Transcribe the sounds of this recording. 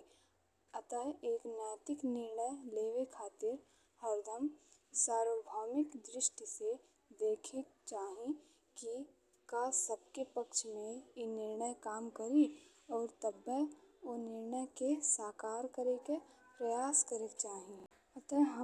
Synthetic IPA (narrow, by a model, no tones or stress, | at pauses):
ɐt̪əeːknjaːt̪ɪknɪɾɳəjleːʋekʰaːt̪ɪɾ | hɐɾd̪əm | saːɾoːbʱaːmɪkd̪ɾɪʃʈise | d̪eːkʰekt͡ʃaːɦĩ | ki | kaːsɐb̚kepɐkʃmẽjenɪɾɳəjkaːmkɐɾi | ɔːɾt̪ɐbːəonɪɾɳəjkesaːkaːɾkɐɾekepɾɐjaːskɐɾekt͡ʃaːɦĩ | ɐt̪əɦə